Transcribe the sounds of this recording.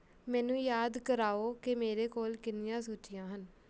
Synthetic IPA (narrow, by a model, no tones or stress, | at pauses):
mɛ̃ːnũːjaːd̪kəɾaːoːkɪmeːɾeːkoːlkɪnɪjãːsoːt͡ʃɪjãːɦən